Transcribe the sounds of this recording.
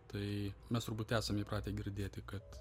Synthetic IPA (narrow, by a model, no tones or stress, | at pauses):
t̪ɐɪmʲɛst̪ʊɾbuːt̪ʲæːsɐmʲiːprɑːt̪ʲeːɡʲɪɾʲd̪ʲeːt̪ʲɪkɐt̪